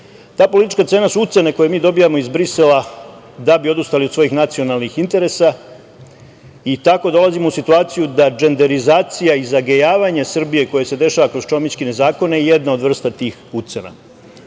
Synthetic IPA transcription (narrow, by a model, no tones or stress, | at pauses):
t̪aːpo̞lit̪it͡ʃkat̪se̞ːnasuut̪se̞ne̞ko̞je̞miːd̪o̞bijamo̞izbɾise̞la | d̪abio̞d̪ust̪aliod̪sʋo̞jixnat̪sio̞nalˠnixint̪e̞ɾe̞sa | it̪ako̞d̪o̞lazimousit̪uaːt̪sijud̪ad͡ʒe̞nd̪e̞ɾizaːt̪sijaizaɡejaːʋaɲesr̩bije̞ko̞jese̞d̪e̞ʃaːʋakɾo̞z̥t͡ʃo̞mjit͡ʃkine̞zaːko̞neje̞d̪nao̞d̪ʋr̩st̪at̪iːxut̪sena̰